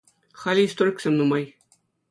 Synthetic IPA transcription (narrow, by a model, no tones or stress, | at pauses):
χɑlʲiist̪oɾʲkʲsʲemʲnumɑj